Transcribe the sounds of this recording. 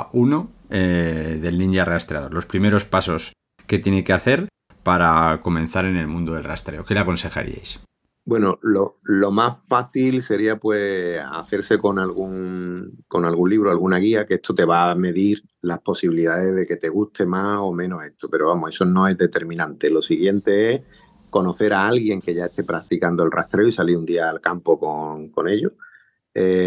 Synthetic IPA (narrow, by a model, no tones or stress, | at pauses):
uno̞eðe̞lnĩnd̪jareast̪ɾeaðo̞lo̞spɾime̞ɾo̞spaso̞s | ke̞t̪jenekeaθe̞ɾ | paɾako̞mẽ̞n̟θaɾe̞ne̞lmũnd̪oðelrast̪ɾe̞o̞ke̞leako̞nse̞xa̰ɾḭa̰js | bwe̞nololo̞masfaθilse̞ɾiapwe̞a̰θe̞ɾse̞ko̞ŋalɣuŋko̞ŋalɣunliβ̞ɾoalɣunaɣ̞iakeest̪ot̪e̞βame̞ðiɾ | lahpo̞siβiliðaðe̞ðe̞ke̞t̪e̞ɣ̞ust̪ʰe̞maso̞mẽ̞no̞se̞st̪ʰope̞ɾoβamoe̞so̞nõ̞e̞ɦðe̞t̪e̞ɾmĩnãnt̪e̞lo̞siɣje̞nt̪e̞eh | ko̞no̞θe̞ɾaalɣje̞ŋke̞ʝae̞st̪e̞pɾak̚t̪ikand̪oe̞lra̰ht̪ɾe̞oisaliɾund̪iaːlkampo̞koŋko̞ne̞ʎo | e